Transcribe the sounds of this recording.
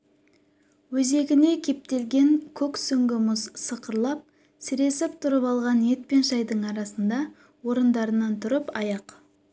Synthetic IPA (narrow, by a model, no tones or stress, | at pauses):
wɵze̞ɡʲɪne̞kʲʰe̞p̚t̪e̞lɡʲe̞ŋkʲʰɵksɵŋɡʲɪmʊzsəqəɾlˠɑp̚ | sɪɾe̞sɪpt̪ʰʊɾəpɑlˠʁɑnje̞t̪̚pe̞nʃɑjd̪əɴɑɾɑsənd̪ɑ | wo̞ɾənd̪ɑɾənɑnt̪ʰʊɾəpɑjɑq